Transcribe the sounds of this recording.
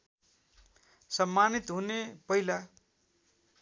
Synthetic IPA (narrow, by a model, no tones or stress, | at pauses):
sʌmːanit̪ɦunepʌila